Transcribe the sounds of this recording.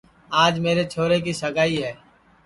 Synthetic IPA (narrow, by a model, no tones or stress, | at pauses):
aːd͡ʒmeːɾet͡ʃʰoːɾek̬isəɡaːiɦɛː